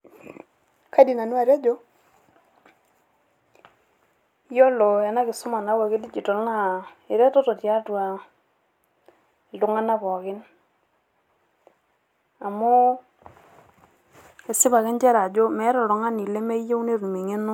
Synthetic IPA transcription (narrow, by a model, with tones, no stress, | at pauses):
ka˦di˨na˨nu˦a˨ɾja˦d͡ʒo˦ | jɔ˦lo˨ja˨na˦kɪ˨su˦ma˨na˦wa˨ke˦di˦t͡ʃi˨tɔ˨lŋa˦˨i˨ɾɛ˦tɔ˦tɔ˨tja˦twa˨ | lu˨˦ŋa˦na˦βɔ˨kɪ˦n | a˨mo˦ | e˨sɪ˦ba˨kɛ˦ɲd͡ʒɛ˦ɾa˨d͡ʒo˦mɛ˦ɾɔ˨ɾɔ˨ŋa˦ni˨le˦me˦je˦wne˦ɾu˨me˨ŋe˦nu˦